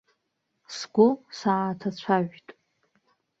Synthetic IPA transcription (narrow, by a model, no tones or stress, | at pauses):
sɡʷʊsatʰat͡ɕʷʰaʒᶣtʼ